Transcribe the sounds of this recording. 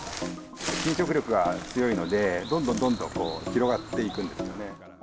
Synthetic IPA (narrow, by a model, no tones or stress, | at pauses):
kʲĩɕo̞k̬ɯ̟ɾʲo̞kɯ̟ɡat͡sɨjo̞ino̞d̪e̞d̪õnd̪õnd̪õ̞nd̪õ̞ŋko̞̰ːçiɾo̞ɡat̪ːe̞ikɯ̟̃nd̪e̞sɨjo̞ne̞